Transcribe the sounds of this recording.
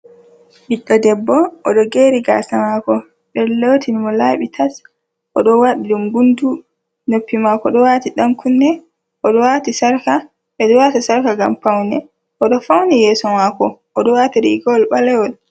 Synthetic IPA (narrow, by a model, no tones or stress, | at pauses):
biɗːɔdɛbːɔʔːɗɔɡeːɾiɡa̰ːsamakɔ | ɓɛlotʰinimɔlaːɓitʰas | ʔɔɗɔwaɗiɗumɡundu | nopːimakɔɗɔwatiɗamkʰunːɛ | ʔɔɗɔwatisaɾka | ɓɛɗɔwatasaɾkaɡa̰mpawnɛ | ʔɔɗɔfawnijɛːsɔmakɔʔɔɗɔwatiɾiɡɔwlɓalɛwɔl